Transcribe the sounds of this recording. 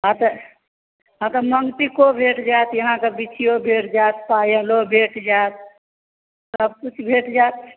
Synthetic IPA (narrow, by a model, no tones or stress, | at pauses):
ɦət̪ | ɦət̪əməŋɡt̪ikobʱeːʈd͡ʒat̪jəɦãkebit͡ʃʰijobʱeːʈd͡ʒat̪paːjəlobʱeːʈd͡ʒaːt̪̚ | səb̚kut͡ʃʰbʱeʈd͡ʒat̪